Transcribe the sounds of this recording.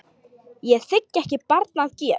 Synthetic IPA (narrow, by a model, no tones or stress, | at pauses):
jɛθɪcːɛhcɪpaɾt̪naðcɛ